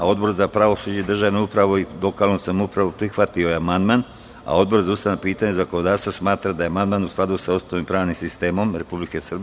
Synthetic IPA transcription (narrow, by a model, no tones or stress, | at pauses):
ao̞d̪bo̞ɾzapɾaʋo̞sud͡ʑed̪r̩ʒaʋnoupɾaʋoilo̞kalˠnosamupɾaʋopɾixʋat̪io̞jeamand̪man | a̰o̞d̪bo̞ɾzaust̪aanopiːt̪aɲezakonod̪aːɾst̪vasmaːt̪ɾad̪ajeamand̪manusklˠad̪usaost̪oʋimpɾaːʋnimsist̪eːmo̞mɾe̞publikesrb